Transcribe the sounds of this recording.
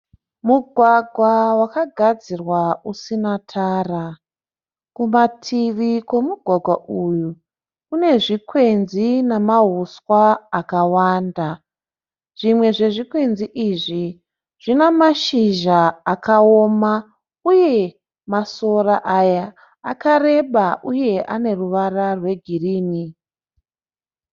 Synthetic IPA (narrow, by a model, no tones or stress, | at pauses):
muɡʱwaɡʱwawakaɡʱad͡zirwausinatʰaːra | kumatʰiʋikwe̞muɡʱwaɡʱwaʔuju | kune̞ʐikwe̞nzinamaɦuswaakawaːnda | ʐ̥imwe̞ʐe̞ʐikwe̞nziʔiʐi | ʐ̥inamaʃiʒaːkaoma | uje̞ | maso̞raʔajaː | kare̞ɓaʔuje̞ʔane̞ruʋararwe̞ɡʱiriːni